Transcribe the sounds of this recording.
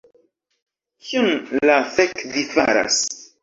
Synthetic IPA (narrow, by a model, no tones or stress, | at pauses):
kʰiunlafekvifaɾa̰s